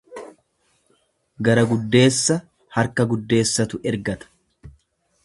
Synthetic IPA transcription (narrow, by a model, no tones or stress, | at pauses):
ɡɐɾɐɡʊd̪ːe̞ːsːɐ | hɐɾkɐɡʊd̪ːe̞ːsːɐt̪ʊʔɛɾɡɐt̪ɐ̥